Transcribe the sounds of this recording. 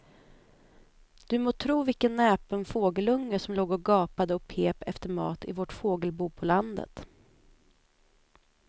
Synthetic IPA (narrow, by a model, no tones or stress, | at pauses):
d̪̥ɵmoːt̪ʰɾuːvɪkənːɛːpənfoːɡəlɵŋːəʂɔmloːɡɔɡɑːpad̪əɔpʰeːpɛft̪əɾmɑ̰ːt̪ɪ̰vɔʈfoːɡəlbuːpʰɔland̪ə̰t̪